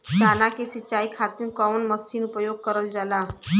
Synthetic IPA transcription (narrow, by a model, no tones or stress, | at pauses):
sanakesit͡ʃːaikʰat̪inkɔʋnməsinupəjoɡ̚kəɾəld͡ʒala